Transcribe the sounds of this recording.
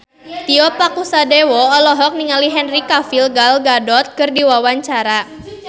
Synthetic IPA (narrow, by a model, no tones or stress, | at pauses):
t̪iɔpakusadewɔːlɔɦɔk̚niŋaliɦɛnrikafilɡalɡadɔt̪̚kɨrdiwawaɲt͡ʃaɾa